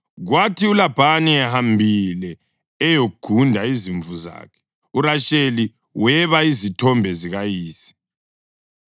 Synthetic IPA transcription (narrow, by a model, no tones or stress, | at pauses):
ɣwatʰiulab̥ʱaniɛhambʱilɛː | jouɡ̥ʱundʱaiziɱvuza̰ːkʰɛ̥ | uɾaʃeli | wɛβaizitʰɔmbʱɛziɣajiːsi̥